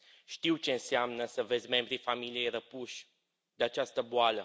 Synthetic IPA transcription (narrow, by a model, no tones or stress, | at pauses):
ʃt̪iwt͡ʃe̞ɨnseamnəsəvezʲme̞mbɾifamilije̞jɾəpuʃʲ | d̪eat͡ʃast̪əboalə